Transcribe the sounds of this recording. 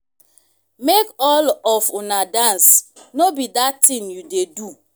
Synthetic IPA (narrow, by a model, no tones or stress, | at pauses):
mekɔlɔfunadãnsnobidatĩnjudedu